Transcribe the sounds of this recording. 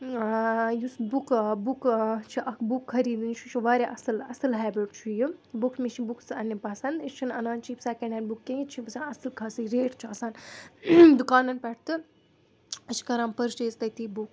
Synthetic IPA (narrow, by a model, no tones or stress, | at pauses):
jusbukbukt͡ʃʰiʔɐkbukːʰɐɾiːd̪ɨnt͡ʃʰut͡ʃʰiʋaːɾʲeʔɐsɐlɐsɐlɦɛːbiʈt͡ʃʰujibukʰmit͡ʃʰibukʰsɐnːipɐsɐnd̪it͡ʃʰinɐnaːnt͡ʃʰipsakɐ̃ɳɖaːnbukːẽit͡ʃʰĩpɐsʲaːnɐsɨlkʰaːsiɾeːʈʰt͡ʃʰiɐsaːn | d̪ukaːnɐnpɛʈ̚ʰt̪ɨ | ɐt͡ʃʰi̥kɐɾaːmpɐɾʃʈeːst̪ɐt̪ibuk